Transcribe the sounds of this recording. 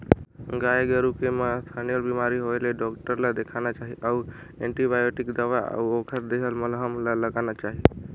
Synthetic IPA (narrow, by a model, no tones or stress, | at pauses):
ɡaeɡəɾukemast̪ʰanijəlbimaɾiɦoeleɖɔkʈəɾlad̪ekʰanat͡ʃaɦiʔau | ẽɳʈibajoʈikd̪aʋaa̰uokʰəɾd̪eɦəlməlɦəmlaləɡanat͡ʃaɦi